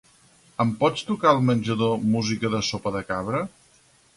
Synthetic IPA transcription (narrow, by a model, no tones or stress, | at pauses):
əmpɔt͡st̪ukaəlˠmənʲʒəðomuzikəðəsopəðəkaβ̞ɾə